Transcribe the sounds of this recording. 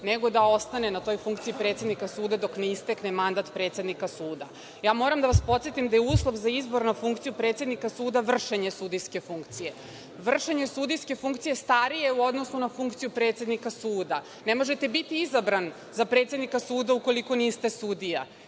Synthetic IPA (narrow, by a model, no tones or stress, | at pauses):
neɡo̞d̪ao̞st̪anenat̪o̞jfuŋkt̪siipɾet̪sjed̪nikasuːd̪ad̪o̞kneist̪e̞knemand̪at̪pɾe̞ːt̪se̞d̪nikasuːd̪a̰ | jaːmo̞ːɾamd̪aʋaspo̞t̪sjet̪imd̪ajeuːslˠo̞vzaizbo̞ɾnafuŋkt̪sijupɾet̪sjed̪nikasuːd̪aʋr̩ʃeɲesud̪ijske̞fuŋkt̪sije̞ | ʋr̩ʃeɲe̞sud̪ijske̞fuŋkt̪sijest̪aɾije̞uo̞d̪nosunafuŋkt̪sijupɾet̪sje̞d̪nikasuːd̪a | nemo̞ʒe̞t̪e̞bit̪iizabɾan | zapɾet̪sʲed̪nikasuːd̪auko̞liko̞niːst̪esud̪ija